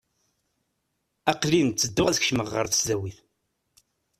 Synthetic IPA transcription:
æqlint͡sːəd̪ːʊʁæðçʃməʁːəɾˤθə̥szæwiθ

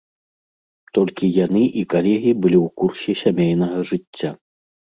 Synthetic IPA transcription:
t̪ɔlʲkʲijanɨʔikalʲɛɣʲibɨlʲiwkursʲɛsʲamʲejnɐɣɐʐɨt͡sʲːa

